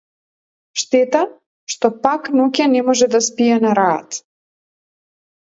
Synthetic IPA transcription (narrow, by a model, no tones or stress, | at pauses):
ʃt̪ɛt̪a | ʃt̪ɔpaknɔcʲanɛmɔʒɛd̪aspijɛnaɾa̰ːt̪